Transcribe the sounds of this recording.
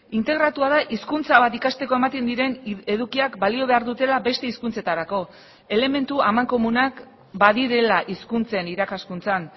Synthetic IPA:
int̪e̞ɣ̞ɾat̪uaðaʔiskunt͡saβat̪ikast̪e̞ko̞e̞mat̪end̪iɾe̞neðukiakbalio̞βe̞aɾðut̪e̞labe̞st̪e̞iskunt͡se̞t̪aɾako̞ | e̞le̞me̞nt̪uamaŋko̞munak | baðiɾe̞laʔiskunt͡se̞niɾakaskunt͡san

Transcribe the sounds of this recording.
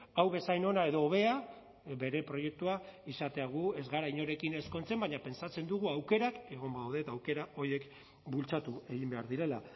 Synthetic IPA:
awβe̞sajno̞nae̞ð̞oːβ̞e̞a | be̞ɾe̞pɾo̞je̞k̚t̪uaisat̪e̞aɣ̞ue̞zɣaɾaiɲo̞ɾe̞kine̞sko̞nt͡se̞mbaɲape̞nsat͡se̞nd̪uɣuawke̞ɾake̞ɣ̞o̞mbawðet̪awke̞ɾao̞ɾje̞k | bult͡sat̪ue̞ɣ̞imbe̞aɾðiɾe̞la

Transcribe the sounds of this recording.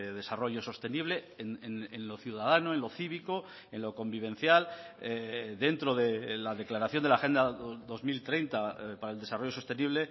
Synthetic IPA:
ðe̞saro̞ʝo̞so̞st̪eniβ̞le | nenenlo̞θjuðaðanoẽ̞nlo̞θiβ̞iko̞ | enlo̞ko̞mbiβ̞ẽ̞n̟θjaleðe̞nt̪ɾo̞ðelaðe̞klaɾaθjo̞nd̪elaxe̞nd̪aðo̞zmilt̪ɾe̞jnt̪apaɾaeld̪esaro̞joost̪e̞niβle̞

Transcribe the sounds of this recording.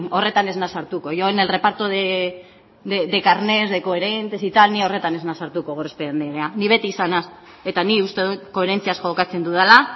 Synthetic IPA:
o̞re̞t̪ane̞znasaɾt̪uko̞joene̞lre̞paɾt̪oðe | ed̪e̞kaɾne̞zðeko̞eɾent̪esit̪alniao̞re̞t̪ane̞znasaɾt̪uko̞ɣorespeɾend̪eɾeaniβ̞e̞t̪iːsanas | e̞t̪aniust̪e̞ðuko̞e̞ɾe̞nt͡siasxo̞kat͡se̞nd̪uð̞ala

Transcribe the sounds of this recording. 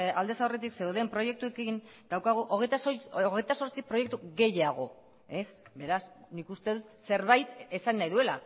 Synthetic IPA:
ald̪e̞saoret̪ikse̞uðe̞mpɾo̞je̞k̚t̪ue̞kind̪awkaɣ̞uʔoɣet̪soɣe̞jt̪aso̞ɾt͡sipɾo̞je̞k̚t̪uɣe̞jaɣ̞o̞̰ | e̞sbe̞ɾasnikust̪e̞ðut̪se̞ɾβajt̪e̞sanːajðue̞la

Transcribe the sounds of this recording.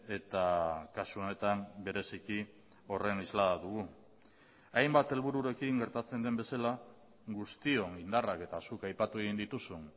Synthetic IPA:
e̞t̪akasuo̞ne̞t̪ambe̞ɾe̞siki | o̞re̞nizlaðaðuɣu | ajmbat̪e̞lβuɾuɾe̞kiŋɡe̞ɾt̪at͡se̞nd̪e̞mbe̞sala | ɡust̪io̞ŋind̪arake̞t̪asukajpat̪ueɣ̞ind̪it̪usun

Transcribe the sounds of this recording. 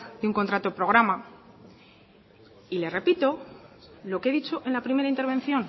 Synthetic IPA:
d̪euŋko̞nt̪ɾat̪opɾo̞ɣɾama | ile̞re̞pit̪o̞ | lo̞ke̞ðit͡ʃo̞ʔe̞nlapɾime̞ɾaint̪e̞ɾβ̞en̟θjo̞n

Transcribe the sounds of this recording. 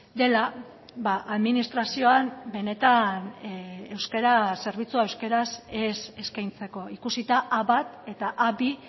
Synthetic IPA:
d̪e̞la | baʔaðminist̪ɾasio̞ambe̞ne̞t̪ane̞wskeɾase̞ɾβ̞it͡suaewske̞ɾasese̞skajnt͡se̞ko̞ikusit̪aʔaβat̪e̞t̪aʔaβi

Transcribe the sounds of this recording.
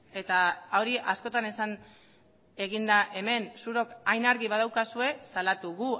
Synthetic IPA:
e̞t̪aaoɾiʔasko̞t̪ane̞san | e̞ɣind̪aʔe̞me̞nsuɾo̞kajnaɾɣiβað̞awkasue̞salat̪uɣu

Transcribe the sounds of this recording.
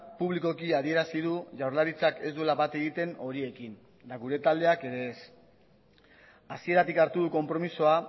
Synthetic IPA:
puβliko̞kiaðie̞ɾasiðuʝawɾlaɾit͡sake̞zd̪ue̞laβat̪e̞ɣit̪e̞no̞ɾie̞kin | d̪aɣuɾe̞t̪ald̪e̞ake̞ɾe̞ːs | asie̞ɾat̪ikaɾt̪uðuko̞mpɾo̞miso̞a

